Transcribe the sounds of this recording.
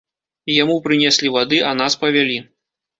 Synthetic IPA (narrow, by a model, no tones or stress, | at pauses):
jamupɾɨnʲɛsʲlʲivad̪ɨʔɐnaspɐvʲalʲi